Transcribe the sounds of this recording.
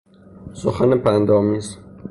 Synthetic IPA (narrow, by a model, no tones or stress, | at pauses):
soxænepʰænd̪ɒːmiːz